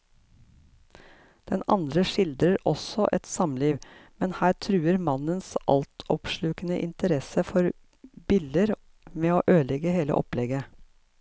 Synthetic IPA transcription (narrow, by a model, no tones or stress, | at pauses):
d̪̥ɛnɑ̰nd̪ɾəʂɪld̪ɾəɾɔsɔʔɛt̪sɑmliːʋmɛnhæːʈʰɾʉːəɾmɑnənsʔɑ̰lt̪ʰɔpʃlʉːkənəʔɪnt̪əɾɛsəfɔɾ | bɪld̪əɾ | meːoːʔøːlɛɡəheːlə̰ʔɔ̰plɛɡə